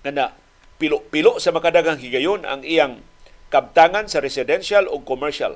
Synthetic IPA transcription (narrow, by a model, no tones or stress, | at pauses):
ŋanaʔ | pɪlʊʔpɪloʔsamakad̪aɡaŋhiɡajona̰ŋʔijaŋ | kab̚t̪aŋansaɾɛsɪd̪ɛnʃalʊɡ̚komɛɹʃa̰l